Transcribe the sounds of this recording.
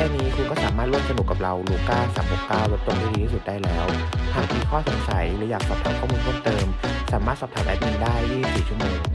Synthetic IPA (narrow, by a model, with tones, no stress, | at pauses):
ɛ˧nːiː˦˥kʰuː˧kɔː˥˩saː˩˦maː˥˩t̪lu˥˩msa˧n˨˩kːa˨˩p̚ɾa˧wluː˧˩kaː˥˩ŋsaː˩˦mho˨˩p̚kaː˥˩wɾa˦˥t̪̚o˧ŋt̪ʰiː˥˩t̪ʰiː˧i˥su˨˩t̪̚daː˥˩jlɛː˦˥w | t̪ʰaː˥˩˨miː˧˩kʰɔː˥˩so˩˦nsa˩˦jlɯː˩˦jaː˨˩k̚pa˧˥t̪ʰa˧kʰɔː˥˩muː˧nt̪ʰu˥˩mt̪ɤː˧msaː˩˦maː˥˩t̪̚sa˨˩p̚t̪ʰaː˨˦nʔɛ˧˩p̚iː˧ndaː˥˩jːiː˥˩ŋsiː˨˩t͡ɕʰu˥˩moː˧ŋ